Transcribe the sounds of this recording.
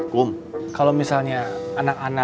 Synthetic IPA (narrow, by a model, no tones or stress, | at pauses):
kʊmkalomisalɲaanakana